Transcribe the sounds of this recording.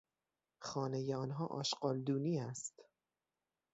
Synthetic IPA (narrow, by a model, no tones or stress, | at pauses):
xɒːnejeɒːnɦɒːʔɒ̰ːʃɢɒːld̪uːniːæst̪